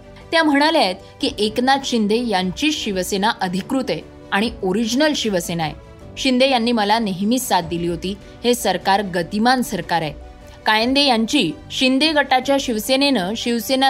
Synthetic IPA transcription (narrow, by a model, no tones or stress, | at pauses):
t̪jam̤əɽ̃aljajt̪̚kiːʔeknat̪ɕind̪ejaɲt͡ɕiːɕiʋəsenaʔəd̪ʱikɾut̪e | aɽ̃ioɾid͡ʑnəlɕiʋəsenaḛ | ɕind̪ejanːiːməlaneɦmisat̪̚d̪iliːɦot̪iː | hesəɾkaɾɡət̪imansəɾkaɾaj | kajənd̪ejaɲt͡ɕiːɕind̪eɡʱəʈat͡ɕjaɕiʋsenenəːɕiʋsena